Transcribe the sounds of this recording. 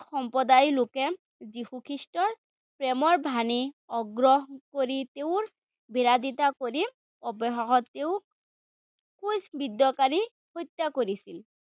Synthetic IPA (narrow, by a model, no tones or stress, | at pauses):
xɔmpɹɔdajlokɛ | zihukʰɹistɔɹ | pɹɛmɔɹbʱaniɔɡɹɔɦkoɹiteʊɹ | biɹad̪it̪akoɹi | ɔbɔɦaxɔtːewk | kusbid̪ɔkaɹi | hɔjt̪jakoɹisil